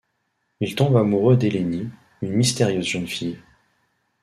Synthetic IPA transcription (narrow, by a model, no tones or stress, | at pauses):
ilt̪ɔ̃bamuʁød̪eleni | ynmist̪eʁjøzʒənfij